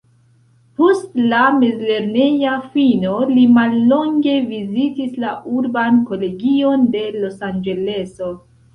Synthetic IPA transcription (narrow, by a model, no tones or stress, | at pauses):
po̞stlamezle̞ɾne̞jafino̞limalːo̞ŋɡe̞vizitislaʔuɾbanko̞le̞ɡio̞nde̞lo̞sand͡ʒe̞le̞so̞